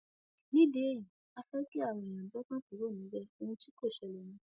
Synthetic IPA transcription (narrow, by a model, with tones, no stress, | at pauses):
nĩ˦de˦e˦˨jĩ˨ | a˧fɛ˦ki˦a˦˨wɔ̃˨j̃ã˨˦bɔ˦kã˦tu˨˦ɾo˦˨nĩ˨˦bɛ˦o˧wũ˧ti˦ko˦˨ʃɛ˨lɛ˨nũ˨˦